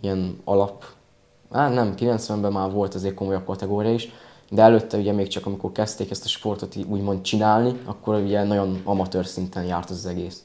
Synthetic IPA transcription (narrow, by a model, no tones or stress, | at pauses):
iɛnɒ̰lɒp | haːt̪nɛmkilɛnt̪sʋɛmbɛmaːrvo̞lt̪ɒzeːrko̞mo̞jɒp̚kɒt̪ɛɡoːɾijɒiʃ | d̪ɛɛløːt̪ːɛuɟɛmeːkt͡ʃɒkɒmiko̞rkɛst̪eːkɛst̪ɒ̥ʃpo̞rt̪ot̪uːɟmo̞nt̪̚t͡ʃinaːlniɒkːo̞ɾuɟɛnɒɟo̞nɒmɒt̪øːrsint̪ɛnjaːrt̪ɒzɒzɛɡeːs